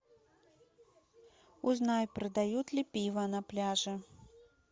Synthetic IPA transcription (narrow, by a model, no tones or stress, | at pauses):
uznajpɾɐd̪ajut͡s̪ʲlʲipʲivɐnɐplʲaʐɨ